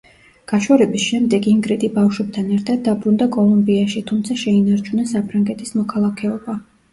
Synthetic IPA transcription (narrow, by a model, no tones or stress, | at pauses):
ɡ̥aʃwɔɾɛbisʃɛmd̪ɛɡiŋɡɾɛt̪ʼibafʃwɛb̚t̪ʰanɛɾt̪ʰad̪̚ːabɾund̪akʼɔlˠumbiaʃit̪ʰumt̪sʰaʃɛinaɾt͡ʃʰunasapʰɾaŋɡɛt̪ʰʼismɔkʰalˠakʰɛɔba